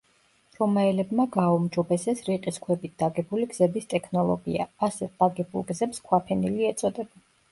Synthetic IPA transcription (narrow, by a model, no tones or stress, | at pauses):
ɾɔmaɛlɛbmaɡaumd͡ʒɔbɛsɛsɾiqʼiskʰwɛbit̪̚d̪̥aɡɛbuliɡzɛbist̪ʼɛkʰnɔlˠɔ̰ɡḭa̰asɛd̪aɡɛbṵlˠɡzɛpskʰwapʰɛniliɛt̪sʼɔd̪ɛba